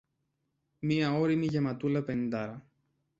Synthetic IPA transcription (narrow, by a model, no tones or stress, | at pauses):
miɐo̞ɾimiʝe̞mɐt̪ulɐpe̞nind̪ɐɾɐ